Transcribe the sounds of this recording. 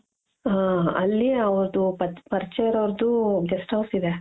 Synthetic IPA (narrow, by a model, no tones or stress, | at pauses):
ɦaɐlːiɐʋɐɾd̪upɐpɐɾt͡ʃejɾɐʋɾd̪uɡesʈɐʋsid̪e